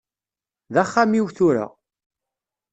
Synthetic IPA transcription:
ðaχːamiwθuɾa̰

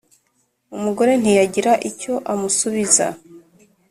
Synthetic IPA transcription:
umuɡo̞ɾen̥ijaɟiɾaʔico̞ʔamusuβiza̰

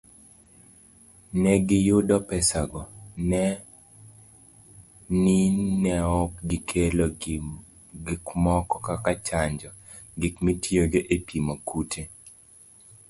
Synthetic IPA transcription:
nɛɡɪjʊdɔpɛsaɡɔnɛ | ninɛɔkɡɪkʰelo | ɡɪkmɔkɔkakat͡ʃaɲd͡ʒɔ | ɡɪkmitʰjoɡeʔepimokʰutʰe

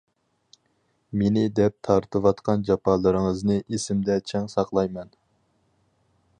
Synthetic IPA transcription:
menɪd̪ɛp̚t̪ʰɑɾt̪ʰɨwɑt̪qɑnd͡ʒɑpʰɑːlˠɨɾɨŋəznɨʔesɪmd̪ɛt͡ʃʰɛŋsɑqlˠɑjmɛn

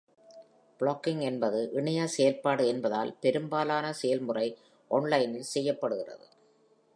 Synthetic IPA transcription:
b̥ɭoːkːɪŋɛnbɐðɯʔɪɳɪjaːsɛjɐlpaːɽɯɛnbɐða̰ːlpɛɾɯmbaːlaːnɐsɛjɐlmɯrɐɪ | ʔɔɳlɐɪnɪlsɛjːɐpːɐɽɯɣɪrɐ̰ðɯ̰

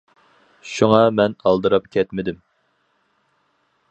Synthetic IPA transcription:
ʃuŋɑmɛnɑlˠd̪ɨɾɑp̚kʲʰɛt̪mɪd̪ɪm

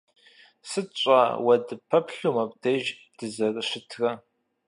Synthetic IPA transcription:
sɨɕʷʼa̰ːwɐdɨpʰɐpɬumɐb̚dɐʒ | d̥ɨzɐrɨɕʷɪtʰɣɐ

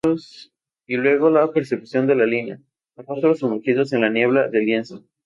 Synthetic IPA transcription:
os | ilwe̞ɣo̞lape̞ɾsekusjo̞nd̪e̞lalinja̰ | afost̪olosumukiðo̞s̬e̞nlanje̞βlaðe̞lje̞nso

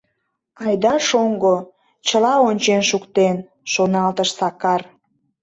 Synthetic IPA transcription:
ɑjd̪ɑʃoŋɡo | t͡ɕəlɑonʲt͡ɕenʃukt̪en | ʃonɑlt̪əʃsɑkɑr

